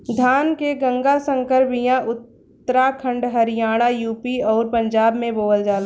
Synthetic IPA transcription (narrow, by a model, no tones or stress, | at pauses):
d̪ʱaːnkeɡə̃ŋɡasə̃ŋkəɾpijãʔʊt̪ː | əɾakʰə̃ɳɖɦəɾɪjaːɽ̃ajuːpiɔːɾpə̃ɲd͡ʒaːbmẽboːəld͡ʒaːl